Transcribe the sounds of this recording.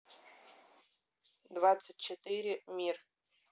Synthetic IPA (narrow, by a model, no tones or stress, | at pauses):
dvatt͡sʰːɨt̚ʲt͡ʃʰːet̪ɨɾʲɪmʲir